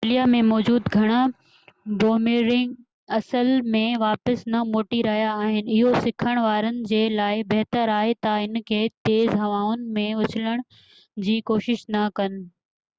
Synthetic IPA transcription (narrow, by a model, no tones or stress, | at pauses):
lijamẽmɔːd͡ʑuːd̪ɡʱɐɽ̃a | boːmiɾɪ̃ŋɡ | ɐsəlmẽʋaːpəsnɐmoːʈiɾɐɦijaːɦɪnɪ̆ɪɦosɪkʰəɽ̃ʋaːɾənɪ̆d͡ʑeːlaːɪbɐɦt̪əɾaːɦet̪ɐɪnkʰeːt̪eːzɦɐʋaːʊnɪ̆mẽʊt͡ɕʰɪləɽ̃ | d͡ʑiːkoːʃɪʃnɐkɐnɪ̆